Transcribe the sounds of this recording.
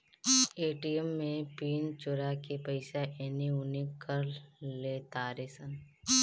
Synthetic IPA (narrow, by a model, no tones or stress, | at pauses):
eːʈiəmːẽpiːnt͡ʃʊɾakepəɪsaʔeniʊnikːəɾleːt̪aɾeːsən